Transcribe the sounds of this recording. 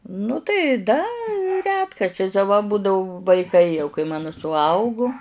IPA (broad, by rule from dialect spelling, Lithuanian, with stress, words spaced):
nʊ tɐɪ ˈdɐ ˈrʲæːtkɐrʲt͡ʃʲɛɪs ɐ ʋɐ ˈbʊdɐʋʊ ʋɐɪˈkɐɪ jɛʊ kɐɪ ˈmɑːnoː sʊˈɐʊɡʊ